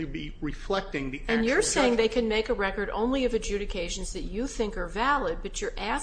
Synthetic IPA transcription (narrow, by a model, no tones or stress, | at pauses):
ɨbi | ɹɪflɛk̚tɪ̃ŋðiɨ̃njə˞seɪɪ̃ŋðeɪkʰɨ̃nmeɪkɨɹɛkə˞ɾõ̰ʊ̃nliʌvɨd͡ʒʉɾɨkʰeɪʒɨ̃nzðɨt͡ʃɨθɪ̃ŋkə˞vælˠəd̚bʌt͡ʃə˞ʔæ